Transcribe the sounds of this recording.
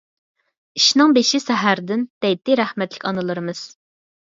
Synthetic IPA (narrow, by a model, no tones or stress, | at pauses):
iʃnɨŋbeʃisɛɦæɾd̪ɪnd̪̥ɛjt̪ɪɾæhmɛt̪lɪkʲɑnɨlˠɨɾɨmɨz̥